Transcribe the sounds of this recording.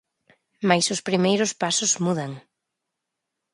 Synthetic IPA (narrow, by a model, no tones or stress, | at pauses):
majsʊspɾimejɾʊspasʊzmuðaŋ